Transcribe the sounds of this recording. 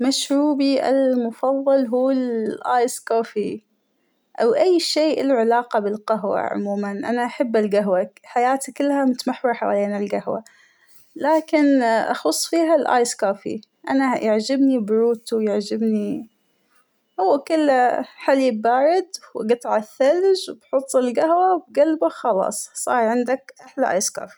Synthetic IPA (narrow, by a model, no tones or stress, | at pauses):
maʃɾuːbiʔa̰lmʊfɑðˤːɑlɦuːɪlʔaːjskoːfi | ʔawʔajːʃeːʔɪlʕɪlaːqɑbɪlqaɦwa̰ʕʊ̰muːmanʔanaʔaħabːalɡaɦwaħajaːt̪akɪlːhamʊt̪amaħwɑħawaleːnalɡahwa̰ | laːkɪnʔɑ̰xʊsˤːfiːɦalʔa̰ːjskaːfḭ | ʔanajaʕd͡ʒɪbnibʊɾuːt̪jaʕd͡ʒɪbni | hʊwːakʊlːħalibaːɾɪd̪wɡɨt̪ˤʕaθːald͡ʒwbħʊt̪ˤːɪlɡahwawbɡalbaxɑlɑ̰ːsˤsˤɑ̰ːɾʕɪnd̪akʔaħlaʔa̰jska̰ːfi̥